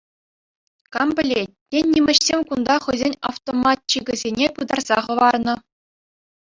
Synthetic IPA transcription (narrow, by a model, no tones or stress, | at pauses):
kɑmbʲɘ̆lʲet̚ʲtʲːenʲːimʲɘ̆ɕsʲemʲkund̪ɑχɤ̆jzʲenʲɑ̰ft̪omɑt̪̚t͡ɕiɡʲɘ̆zʲenʲepɯd̪ɑrz̥ɑχɤ̆ʋɑrnɤ̆